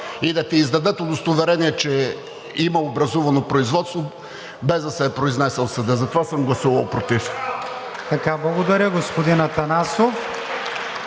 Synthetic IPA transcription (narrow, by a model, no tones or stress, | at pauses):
id̪ɐt̪ɛizd̪ɐd̪ət̪od̪ost̪ovɛɾɛniɛt͡ʃɛ | imɐobɾɐzuvɐnopɾoizvɔt̪st̪vo | bɛzd̪ɐsɛpɾoiznɛsɛlˠsəd̪əzɐt̪ovasəmɡlˠɐsuvɐlˠpɾot̪if | t̪ɐkablˠɐɡod̪ɐɾʲəɡospod̪inɐt̪ɐnasof